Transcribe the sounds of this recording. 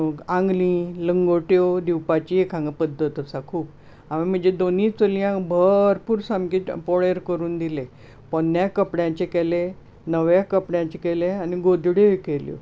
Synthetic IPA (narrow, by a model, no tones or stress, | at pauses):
ãŋɡlĩləŋɡoʈjod̪iwpat͡ɕiekãŋɡəpəd̪ʱːət̪əsakʰuːp | aʋim̤əd͡ʑed̪onĩːt͡soljãbʱəɾpuːɾsamkiːt̪poɭeɾkəɾuːnd̪ile | pənjakəpɽjãt͡ɕekele | nəʋjakəpɽjãt͡ɕekeleaniɡod̪ɽjoekeljo̰